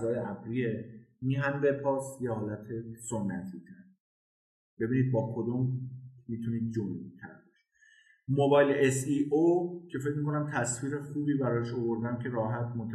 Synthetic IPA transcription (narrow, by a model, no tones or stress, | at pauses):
zɒːjeʔæbɾiːemiːɦænd̪epʰɒːsjehɒːlæt̪ʰesonːæ̰t̪ʰiːt̪ʰæɾ | b̥e̞biːniːd̪̚bɒːkʰo̞d̪ommiːt̪ʰuniːd̪̚d͡ʒont̪ʰæ̰ɾbɒʃi̥ | mobɒːjleesiʔocʰe̞fe̞cmikʰo̞næmt̪ʰæsviːɾexuːbiːbæɾɒːʃo̞vo̞ɾd̪æmcʰe̞ɾɒːɦæt̪ʰmot̪ʰæ